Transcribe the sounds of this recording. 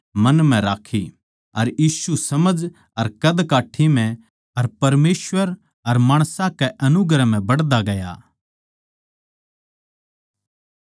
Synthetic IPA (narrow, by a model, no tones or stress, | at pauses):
mɐnm̤ɛ̃ɾaːkʰi | ɐɾjiːʃusɐməd͡ʒ | ɐɾkɐd̪kaːʈʰimɛ̃ | ɐɾpɐɾmeːswʋəɾ | ɐɾmaːɽ̃sãkɛʔɐnʊɡɾɛm̤ɛ̃bɐɽd̪aɡɐja̰